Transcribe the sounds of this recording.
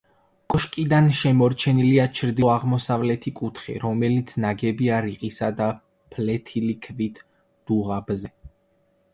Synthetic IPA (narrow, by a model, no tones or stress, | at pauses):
kʼɔʃkʼid̪anʃɛmɔɾt͡ʃʰɛniliat͡ʃʰɾd̪iaʁmɔsavlɛt̪ʰikʼut̪ʰχḭɾɔmɛlit̪sʰnaɡɛbiaɾiqʼisad̪a | pʰlɛt̪ʰilikʰvit̪ʰ | d̪̥uʁabzɛ